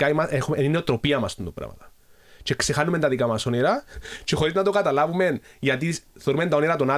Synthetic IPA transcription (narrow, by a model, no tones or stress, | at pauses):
aimɐexumenineot̪ɾo̞piɐmɐst̪und̪opɾɐ̰mɐ̰t̪ɐ̥ | t͡ʃekse̞xanume̞nt̪ɐðikamɐso̞neɾɐt͡ʃe̞xo̞ɾiznɐt̪oɡat̪ɐlavume̞nʝɐt̪̬iθeɾume̞nt̪aoneɾɐt̪o̞na